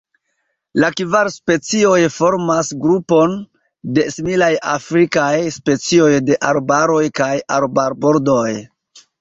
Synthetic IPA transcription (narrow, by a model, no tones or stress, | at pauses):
lakvaɾspe̞t͡sio̞jfo̞ɾmasɡɾupo̞n | de̞similajafɾikajspe̞t͡sio̞jde̞ʔaɾbaɾo̞jkajaɾbaɾbo̞ɾdo̞j